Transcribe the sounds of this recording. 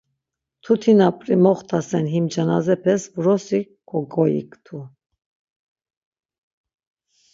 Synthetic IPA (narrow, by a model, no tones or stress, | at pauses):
t̪ʰut̪ʰinapʼɾimɔχt̪ʰasɛnɦimd͡ʒanazɛpʰɛsvuɾɔsi | kʰɔɡɔjḭkʼt̪ʰu